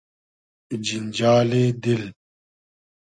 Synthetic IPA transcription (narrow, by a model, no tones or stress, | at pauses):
d͡ʒind͡ʒaːleːd̪il